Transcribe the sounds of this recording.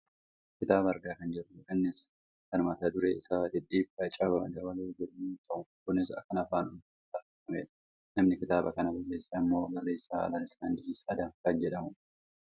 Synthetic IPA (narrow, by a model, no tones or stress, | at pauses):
kɪt̪aːbɐɐɾɡaːkɐnd͡ʒɛrːʊkɐnːɪs | kɐnmɐt̪ɐd̪ʊɾeːɪsaːd̪ɪᶑiːbɐt͡ʃʼabɐmɐ̰d͡ʒɐwɐloːd͡ʒɛᶑɐmunt̪ʼɐʔʊkʊnːɪsɐ̰kːɐnɐfaːnʊn | ɐɐfɐmḛːᶑɐ̥ | nɐmnɪkɪt̪aːbɐkɐnɐbɐrːeːsːɐɪmːo̞ːbɐrːe̞ːsːaːɐ̰lɐlɪskɐnd̪ɪisɐd̪ɐkɐnd͡ʒɛᶑɐmʊ